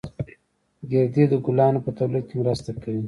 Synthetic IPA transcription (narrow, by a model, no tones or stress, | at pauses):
ɡeɾd̪id̪əɡʊlɑnopət̪awlid̪̚kemɾast̪akawi